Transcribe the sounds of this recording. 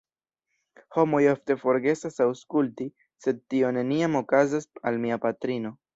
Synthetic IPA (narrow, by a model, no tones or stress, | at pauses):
ho̞mo̞jofte̞fo̞ɾɡe̞sasawskulti | se̞d̚tio̞ne̞niamo̞kazasalmiapatɾino̞